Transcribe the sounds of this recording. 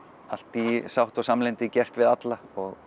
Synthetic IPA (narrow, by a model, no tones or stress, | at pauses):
al̥t̪isawht̪ɔsamlɪnt̪ɪcɛr̥t̪vɪðat̪laɔɣ